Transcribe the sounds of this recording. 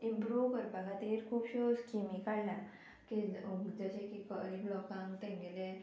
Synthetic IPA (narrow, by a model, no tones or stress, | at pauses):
impɾuʋkəɾpaɡat̪eɾkʰuːpɕoskimikajla | kid͡zəɕekikəɾiklɔkãŋkt̪ɛ̃ŋɡelẽ